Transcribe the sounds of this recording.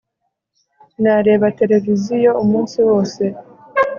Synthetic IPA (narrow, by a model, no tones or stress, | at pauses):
naɾe̞ːβate̞ɾe̞vizijo̞umuːnsiwo̞ːse̞